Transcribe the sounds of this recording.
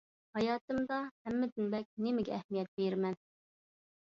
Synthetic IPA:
hɑjɑːt̪ɨmd̪ɑhæmːɪd̪ɪnbɛk̚ʲnemɪɡʲɛɛhmijɛt̪̚beɾmɛn

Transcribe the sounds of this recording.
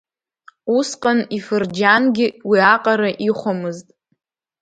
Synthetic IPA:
usqʼanifɨrd͡ʒanɡʲɪwiaqʼaɾaʔiχʷomɨztʼ

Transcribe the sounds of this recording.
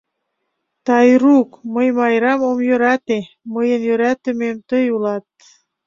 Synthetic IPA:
t̪ɑjrukməjmɑjɾɑmomjøɾɑt̪e | məjənjøɾæt̪ə̆memt̪əjulɑt̪̚

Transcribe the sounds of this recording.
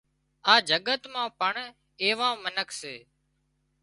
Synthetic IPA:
aːd͡ʒəɠət̪mãːpəɳ | eːʋãːmənəkʰseː

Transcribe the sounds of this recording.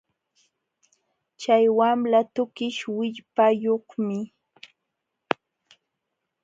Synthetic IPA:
t͡ʃajwamlat̪ʊkɪʃwɪʎpajoχmɪ

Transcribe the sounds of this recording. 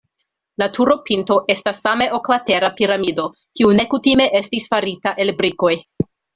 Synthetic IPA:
latʰuɾo̞pinto̞ʔe̞stasːame̞ʔoklate̞ɾapiɾamido̞ | kiune̞kutime̞ʔe̞stisfaɾitaʔe̞lbɾiko̞j

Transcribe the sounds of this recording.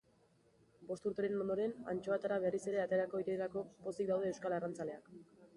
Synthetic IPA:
bo̞st̪uɾt̪e̞ɾe̞no̞nd̪o̞ɾe̞na̰nt͡ʃo̞at̪aɾaβerise̞ɾe̞at̪e̞ɾako̞iɾeeɾako̞po̞sik̚d̪awðe̞ːwskalarant͡sale̞ak

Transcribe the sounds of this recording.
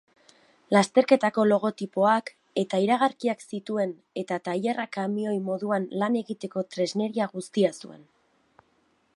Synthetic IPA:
last̪e̞ɾke̞t̪ako̞lo̞ɣ̞o̞t̪ipo̞ak | e̞t̪aiɾaɣ̞aɾkiaksit̪ue̞n | e̞t̪at̪aʎerakamio̞jmo̞ðuanlane̞ɣit̪e̞ko̞t̪ɾe̞zne̞ɾiaɣust̪iasue̞̰n

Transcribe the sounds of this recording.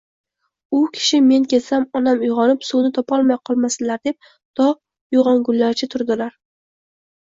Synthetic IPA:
ʊkʲʰɪ̥ʃɪme̞nkʲe̞samɒnamʊjʁɒnɪpsunɪt̪ʰɒpʰɒlˠmajqʰɒlˠmasɪlaɾd̪e̞p̚ | d̪̥ɒ | ʊʁɒŋɡʊlːaɾt͡ʃʰɪt̪ʰʊɾd̪ɪlaɾ

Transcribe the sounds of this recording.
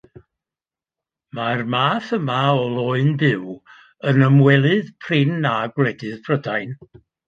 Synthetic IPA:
marmaːθəmaɔlˠɔɨndɪw | ənəmwɛlˠɨðpʰrɪnaɡwlɛdɨðb̥ʰrədajn

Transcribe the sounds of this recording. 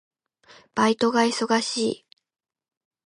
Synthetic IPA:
b̥ait̪o̞ɡaiso̞ɡaɕiː

